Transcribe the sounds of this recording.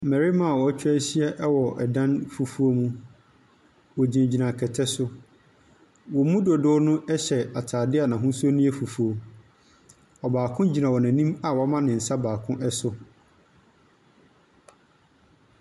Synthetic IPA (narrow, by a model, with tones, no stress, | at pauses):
mɛ˨ɾi˦mã˦a˨wɔ˨˦t͡ɕʰᶣɾæː˦ɕi˦ɛ˦ʔɛ˦wɔ˨ʔɛ̰˨dã˦nfu˨fu˦o˦mũ˦ | wɔ˨d͡ʑĩ˨d͡ʑi˨nã˨kʰɛ˨tʰɛ˦sʊ˦ | wɔ˨mũ˦dɔ˨dʊ˦nʊ̃˦ɛ˦ɕɛ˨a˨tʰaː˨dɪ˦a˨nã˨ɦʊ̃˦su˦o˦nũ˦ɛ˦fu˨fu˨o˨ | ɔ˨baː˨kʰʊ̃˦d͡ʑi˨nã˨wɔ˨nã˨nĩ˦ma˨wɔ˨˦mã˦nɪ̃˨n̩˨sa˦baː˨kʰʊ̃˦ʔɛ˦sʊ˦